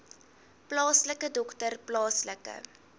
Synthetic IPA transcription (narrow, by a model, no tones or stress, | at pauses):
plɑːsləkədɔktərplɑːsləkə̰